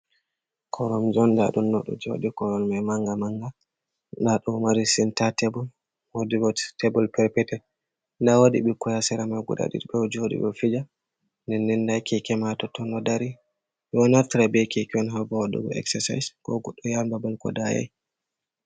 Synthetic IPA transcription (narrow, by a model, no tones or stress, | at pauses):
kʰɔɾɔmd͡ʒɔnda̰ɗumnɔɗɔ̰d͡ʒo̰dikɔɾɔnmajmaŋɡamaŋɡa | ndaɗɔmaɾisintatɛbɔl | wodibɔtebɔlpɛɾpɛtɛ | ndawodiɓikɔjasɛɾamajɡṵɗa̰ɗḭdbɛd͡ʒoɗḭbɔfid͡ʒa | nɛnːɛnːdajkikɛmatɔtɔnɔdaɾi | jɔnaɾtiɾabɛkikiɔnɦɔbɔwadṵɡɔ̰ɛ̰ksɛsa̰jskɔɡɔɗːɔjambabɔlkɔ̰daja̰j